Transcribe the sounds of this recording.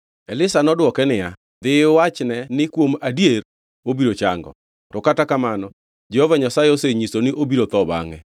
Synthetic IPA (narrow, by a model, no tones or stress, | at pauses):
ɛlɪsanɔdwɔkɛnɪja | d̪ɪwat͡ʃnɛnɪkwomadjeɾ | obiɾot͡ʃaŋɡɔ̰ | tɔkatakamanɔ | d͡ʒɛhovaɲasaɪoseɲisonɪʔobiɾot̪ɔba̰ŋɛ